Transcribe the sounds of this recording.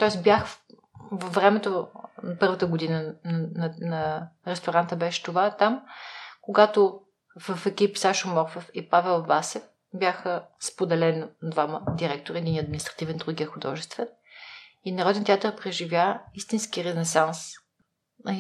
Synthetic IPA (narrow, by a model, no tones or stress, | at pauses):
t̪ɔɛsbjax | vəvɾɛmɛt̪opɤɾvət̪əɡod̪inənnɐnɐɾɛst̪oɾant̪əbɛʃɛ̥t̪ovat̪amkoɡat̪o | vəfɛkipsaʃomɔɾfofipavɛlˠvasɛf | bʲjaxəspod̪ɛlɛnd̪vaməd̪iɾɛk̚t̪oɾəɛd̪inɐd̪minist̪ɾɐ̥t̪ivɛnd̪ɾuɡiɐxʊd̪ɔ̰ʒɛst̪vɛn | inɐɾɔd̪ɛnt̪ʲɛat̪əɾpɾɛʒivjaist̪inskiɾɛnɛsans